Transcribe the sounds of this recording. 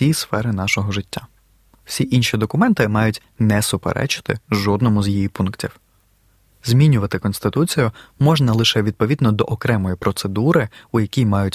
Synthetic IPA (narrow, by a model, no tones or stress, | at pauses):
isfɛɾɪnɑʃɔɦɔʒɪtʲːa | w̥sʲiʔinʃid̪ɔkʊmɛnt̪ɪmɑjʊtʲ | nɛsʊpḛɾʔɛ̰t͡ʃɪ̥t̪ɪ̰ʒɔd̪nɔmʊzʲjijipunktʲiw | zʲmʲinʲʊʋɐt̪ɪkɔnst̪ɪt̪ut͡sʲijʊmɔʒnɐlˠɪʃɛʋʲid̪̚pɔʋʲid̪nɔd̪ɔʔɔkɾɛmɔjipɾɔt̪sed̪uɾɪʊjɐkʲijmɑjʊtʲ